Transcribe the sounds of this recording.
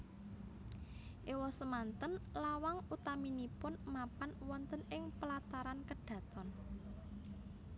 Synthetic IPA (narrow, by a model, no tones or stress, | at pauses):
ʔiwɔsəmant̪ənlawaŋut̪aminipʊnmapanwɔnt̪ənɪŋpəlat̪aɾankəɖ̥ä̤t̪ɔn